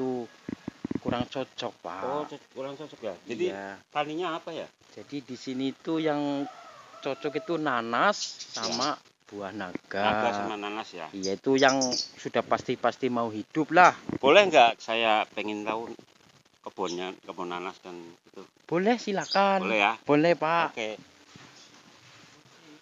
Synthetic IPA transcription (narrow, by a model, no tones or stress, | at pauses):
t̪u | kuɾaŋt͡ʃɔt͡ʃɔk̚pa̰kuɾaŋt͡ʃɔt͡ʃɔkjad͡ʒajiat̪aniɲaːpaja | d͡ʒ̥adidisiniːt̪ujaŋ | t͡ʃɔt͡ʃɔkit̪unanasːama | b̥uahnaɡ̥aaɡasamananasjaijait̪ujaŋsudahpast̪ipast̪imauɦid̥ʊp̚lahb̥olɛhŋɡaʔsajapɛŋɪnt̪aʊn | kəb̥ɔnɲakəbonanasd̥anɡit̪u | b̥olɛhsilakanolɛhjab̥olɛhpaʔke